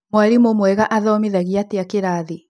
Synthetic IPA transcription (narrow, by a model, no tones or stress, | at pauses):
mwaɾimomwɛɣaʔaðɔmiðaɣiateakeɾaːði